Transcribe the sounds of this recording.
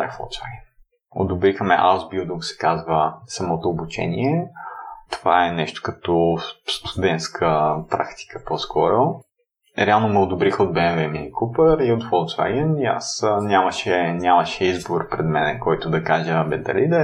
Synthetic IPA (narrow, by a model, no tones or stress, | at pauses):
a̰fo̰lˠt͡ʃva̰ɡʲɛn | o̰d̪ʊbɾixmɛ̰ʔazbid̪uɡsɛ̥kazvəsɐmɔt̪oːbut͡ʃɛ̰niɛ | t̪ovaɛnɛʃt̪o̥kɐt̪ɔst̪ʰʊd̪ɛnt̪skʰəpɾa̰kt̪i̥kə̥pɔskʰɔɾo | ɾɛalˠnomɛod̪obɾixod̪̚bɛnɛvɛminikupəɾiot̪fɔlˠt͡ʃva̰ɡʲɛnia̰snʲamɐʃɛnʲamɐʃɛizboɾpɾɛd̪mɛnɛkɔjt̪ʊd̪ɐkaʒəbɛd̪ɐ̰lid̪ɛ